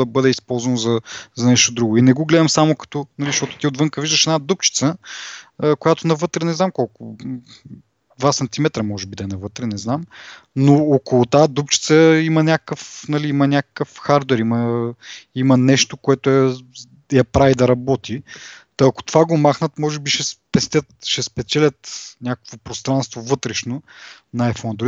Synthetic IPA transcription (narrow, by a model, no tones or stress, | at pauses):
d̪ɐbɤd̪ɛispɔlˠzvɐnozɐzɐnɛʃt̪od̪ɾuɡʊinɛɡoɡlɛd̪ɐmsamokɐ̥t̪ɔnɐliʃt̪ɔt̪ʊ̥t̪iod̪vɤŋkəviʒd̪əʃɛd̪nad̪up̚t͡ʃi̥t̪səː | kojat̪ʊnɐvɤt̪ɾɛnɛznamkɔlˠkʊ | d̪vasɐnt̪imɛt̪ɾəmɔʒɛbid̪ɐɛnɐvɤt̪ɾɛnɛznamnookolˠʊt̪ad̪upt͡ʃi̥t̪səimənʲakə̥kəfnɐliimɐnʲakə̥kəfxaɾd̪wɛɾimə | imənɛʃt̪okoɛt̪ʊɛ | jɐpɾavid̪ɐɾɐbɔt̪it̪ɐːkʊ̥t̪ovaɡomaxnət̪mɔʒɛbiʃɛspɛst̪ʲət̪ʃɛspɛt̪sɛlʲət̪nʲakəkvopɾost̪ɾanst̪vovɤt̪ɾɛʃno | nɐɛfonɐd̪ɾ